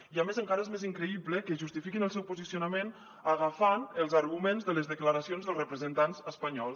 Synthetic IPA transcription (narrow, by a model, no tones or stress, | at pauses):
iamezəŋkaɾəezmeziŋkɾəiβləkəʒust̪ifikinəlˠsɛwpuzisiunəmen | əɣafanəlˠzaɾɣumenzðələzðəkləɾasionzðəlzrəpɾəzənt̪anzəspəɲɔlˠs